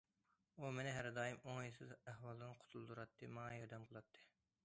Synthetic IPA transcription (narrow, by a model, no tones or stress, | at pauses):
umenɪɦæɾd̪ɑːjimoŋjisɪzæhwɑlˠɨnqʰʊ̥t̪ʰulˠd̪uɾɑt̪ʰːɨmɑŋɑjɑɾd̪ɛmbolˠɑt̪ʰːɨ̥